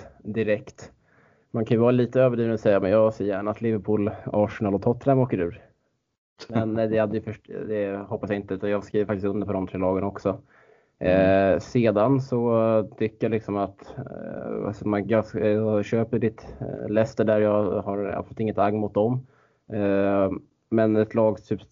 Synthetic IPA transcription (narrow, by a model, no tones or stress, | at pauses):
d̪ɪɾɛkt̪ | mankʰanjʏvɑːɾaliːt̪əøːvəɖiːvnɔsɛjːamɛnjɑːseːəjæːɳat̪lɪvəɾpʰuːlɑːʂnɑːlɔt̪ʰɔt̪ʰːɾamoːkəɾʉ̟ːɾ | mɛnd̪ɛhad̪ːəjəfœʂd̪ɛhɔpːasjaɪnt̪əʉ̟ːt̪anjɑːɡskɾiːvəɾfakt̪ɪst̪ɵnd̪əɾpʰɔd̪ɔmt̪ʰɾɛːlɑːɡənɔksɔ | seːd̪ansɔt̪ʰʏkːəjalɪksɔmat̪ | a̰sɔmaɑɕøːpəɖɪt̪lɛst̪əɖæɾjɑhaɾa̰pslʉːt̪ɪŋːət̪aɡːmʊt̪̚d̪ɔm | mɛnɛt̪ʰlɑːɡt̪ʰyːp